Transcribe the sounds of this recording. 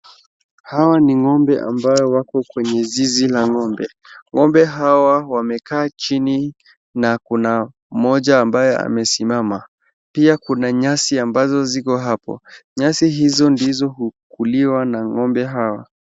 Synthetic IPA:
hawaniŋɔmbɛʔa̰mbajɔwakɔkwɛɲɛzizilaŋɔmbɛ | ŋɔmbɛɦawawamɛkaːt͡ʃini | nakuna | m̩mɔʄaːmbajɛa̰mɛsimama | piakunaɲasiambazɔzikɔɦapɔ̰ɲasiɦizɔndizɔɦu | kʰuliwanaŋɔmbɛɦawa̰

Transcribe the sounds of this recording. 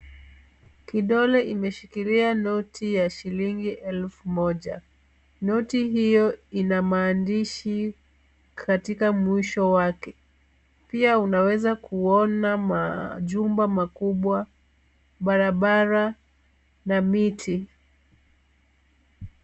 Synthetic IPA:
kiɗɔlɛʔimɛʃikilianɔtʰijaʃiliŋɡiʔɛlfumɔʄa | nɔtiɦijɔinamaːndiʃi | kʰatikamwiʃɔwakɛ | piaunawɛzakʰuɔnamaʄumbamakuɓwa | ɓaɾaɓaɾa | namitʰi

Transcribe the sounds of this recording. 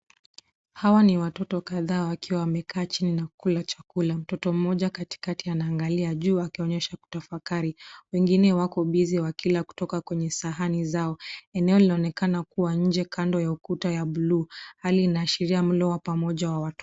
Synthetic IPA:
hawaniwatɔtɔkaðaːwakiwawamɛkʰaːt͡ʃininakulat͡ʃakulam̩tɔtɔm̩mɔʄakati̥katianaːŋɡaliaʄuːakiɔɲɛʃaku̥tafakaɾiwɛŋɡinɛwakɔɓiziwakilaku̥tɔkakwɛɲɛsaɦanizaɔɛnɛɔlinaɔnɛkanakuwaɲ̩d͡ʒɛkʰandɔjaukutajaɓuluːhaliːnaːʃiɾiam̩lɔwapamɔʄawawatɔ

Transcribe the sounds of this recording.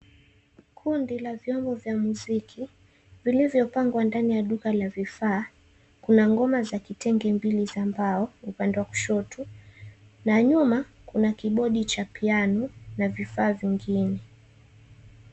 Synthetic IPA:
kʰundilavjɔmbɔvjamuzikʰi | vilivjɔpaŋɡwandanijaɗukalavifaː | kunaŋɡɔmazakitɛŋɡɛmbilizambaɔupandɛwaku̥ʃɔtʰu | naɲuma | kunakiɓɔɗit͡ʃapianunavifaːviŋɡinɛ

